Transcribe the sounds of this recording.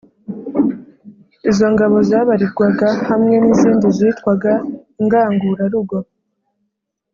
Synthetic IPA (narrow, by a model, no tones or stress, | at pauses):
izo̞ŋɡaβo̞zaːβaɾiɾɡwaɡahamŋe̞niziːndiziːtwaɡaŋɡaːŋɡuːɾaɾuɡo̞